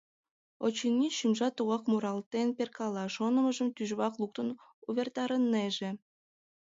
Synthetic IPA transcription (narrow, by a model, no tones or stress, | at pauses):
ot͡ɕinːiʃymʒɑt̪uɣɑkmuɾɑlt̪enperkɑlˠɑʃonəməʒəmt̪yʒβɑklˠuk̚t̪ən | uβʲert̪ɑɾənːeʒĕ